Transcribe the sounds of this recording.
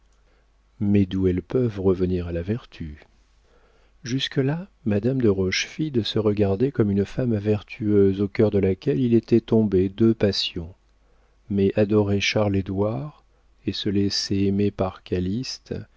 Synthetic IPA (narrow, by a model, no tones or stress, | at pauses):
mɛd̪uɛlpœvʁəvəniʁalavɛʁt̪ʰy | ʒyskəlamad̪amd̪əʁɔʃfid̪səʁəɡaʁd̪ɛkɔmynfamvɛʁt̪ʰyøzokʲœʁd̪əlakʲɛlilet̪ɛt̪ɔ̃bed̪øpasjɔ̃ | mɛʔad̪ɔʁeʃaʁled̪waʁ | esəleseemepaʁkalist̪